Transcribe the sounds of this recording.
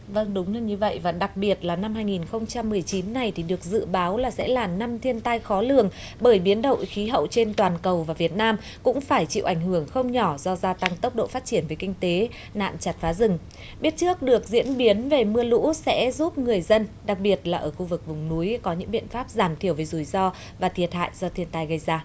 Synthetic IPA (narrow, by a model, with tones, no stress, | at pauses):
və˧ŋɗʊ˨˦ŋ͡mlə˧ɲɨ˧və̰˧˨jvaː˨˩ɗa˨˩k̚ɓi˨˩ət̚laː˨˩na˧mɦaː˧jŋi˨˩nxə˧wŋ͡mt͡ɕa˧mːɨ˨˩əjt͡ɕi˨˦nːa˨˩jt̪ʰi˨˩ɗɨ˨˩ək̚zɨ̰˧˨ɓaː˨˦wlaː˨˩sɛ̰˧˥laː˨˩na˧mt̪ʰi˧ənt̪a˧jxɔ˨˦lɨ̰˨˩əŋ | ɓəː˧˩jɓi˨˦ənɗə̰˧˨wxi˨˦ɦə̰˧˨wt͡ɕe˧nt̪waː˨˩nkə˨˩wvaː˨˩vi˨˩ət̚naː˧m | kʊ̰˧˥ŋ͡mfaː˧˩jt͡ɕḭ˧˨wʔa˧˩jŋ̟ɦɨ˧˩əŋxə˧wŋ͡mɲɔ˧˩zɔ˧zaː˧t̪a˧ŋt̪ə˦˥wk͡p̚ɗo̰˧˨faː˦˥t̚t͡ɕi˧˩ənve˨˦jkï˧ŋ̟t̪e˨˦ | na̰ː˧˨nt͡ɕa˨˩t̚faː˨˦zɨ˨˩ŋ | ɓi˦˥ət̚t͡ɕɨ˦˥ək̚ɗɨ˨˩ək̚zḭ˧˥ənɓi˨˦ənve˨˩mɨ˧əlṵ˧˥sɛ̰˧˥zu˦˥p̚ŋɨ˨˩əjzə˧nɗa˨˩k̚ɓi˨˩ət̚laː˨˩ʔəː˧˩xu˧vɨ˨˩k̚vʊ˨˩ŋ͡mnu˨˦jkɔ˨˦ɲɨ̰˧˥ŋɓḭ˧˨ənfaː˦˥p̚zaː˧˩mt̪ʰi˧˩əwve˨˦jzu˧˩jzɔ˧ | vaː˨˩t̪ʰi˨˩ət̚ha̰ː˧˨jzɔ˧t̪ʰi˧ənt̪a˧jɣə˧jzaː˧